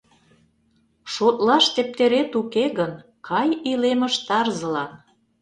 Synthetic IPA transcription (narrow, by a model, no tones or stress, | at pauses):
ʃot̪lɑʃt̪ep̚t̪eɾet̪ukeɣən | kʰɑjilemə̆ʃt̪ɑrzə̆lɑn